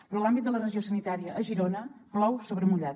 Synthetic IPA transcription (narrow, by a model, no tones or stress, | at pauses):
pɾɔlˠambit̪̚d̪ələrəʒiosənit̪aɾiəʔːʒiɾonəplɔwsoβɾəmuʎat̪